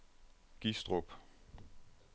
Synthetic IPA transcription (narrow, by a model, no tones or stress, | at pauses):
ɡ̥isd̥ʁob̥